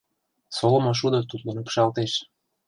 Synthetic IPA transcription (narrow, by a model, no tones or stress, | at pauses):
solɤ̆moʃ̬ud̪ot̪ut̪lenupʃɑlt̪eʃ